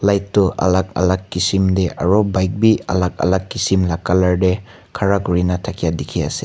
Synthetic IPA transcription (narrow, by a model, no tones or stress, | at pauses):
lajtːuʔa̰lak̚a̰lakːisimdeʔa̰ɾɔbajk̚bia̰lak̚a̰lakːisimlakalɐɾde | kʰaɾaɡuɾinatʰakʰijadikʰia̰si